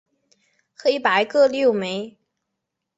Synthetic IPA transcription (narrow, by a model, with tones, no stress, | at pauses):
xe˥˧˥ɪpa˨˩˥ɪkɤ˥˧ljo˥˩ʊme˧˥ɪ